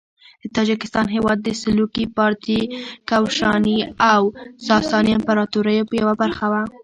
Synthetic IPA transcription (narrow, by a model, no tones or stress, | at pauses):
d̪ət̪ɑd͡ʒɪkɪst̪ɑnɦewɑd̪ːəsɪlukipɑɾt̪ikawʃɑniawsɑsɑniampaɾɑt̪uɾəjopəjawabaɾxawa